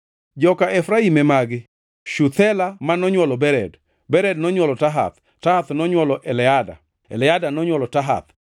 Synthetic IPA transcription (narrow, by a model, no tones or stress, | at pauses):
d͡ʒɔkaʔɛfɾaimɛmaɡɪ | ʃut̪ʰɛlamanɔɲwɔlɔbɛɾɛ̰d | bɛɾɛdnɔɲwɔlɔtaɦa̰t̪ | tahat̪nɔɲwɔlɔʔɛlɛada̰ | ɛ̰lɛadanɔɲwɔlɔtaɦa̰t̪